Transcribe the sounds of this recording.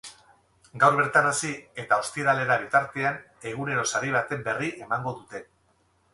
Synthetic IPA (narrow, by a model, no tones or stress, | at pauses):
ɡawɾβe̞ɾt̪anasie̞t̪ao̞st̪iɾale̞ɾaβ̞it̪aɾt̪e̞an | e̞ɣ̞une̞ɾo̞saɾiβ̞at̪e̞mbe̞riʔe̞maŋɡo̞ðut̪e̞